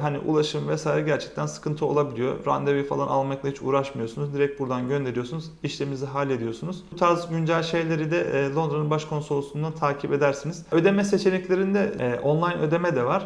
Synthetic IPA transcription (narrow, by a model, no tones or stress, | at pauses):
ɦaniʔṵlˠaʃɯmvɛsaːjiɾɛɟæɾt͡ʃʰɛ̥c̚t̪ʰænsɯ̥kʰɯnt̪ʰɯo̞lˠabilʲijo̰ɾa̰nd̪evifa̰lˠanʔalˠmaklˠahit͡ʃʰṵːɾaʃmɯjo̞sunuzd̪iɾɛc̚t̪̚buɾd̪anɟø̞nd̪e̞ɾijosunuziʃlʲemiziɦalʲe̞d̪ijosunuzt̪ʰaːzɟynd͡ʒælʲʃe̞jlʲe̞ɾid̪ɛːlˠo̞nd̪ɾanɯnbaʃkʰo̞nso̞lˠusund̪ant̪ʰaːcʰibe̞d̪æɾsiniz̥ø̞d̪e̞mɛse̞t͡ʃʰe̞nɛclʲe̞ɾind̪ɛʔo̞nlˠajnʔø̞d̪e̞mɛd̪ɛvaɾ̥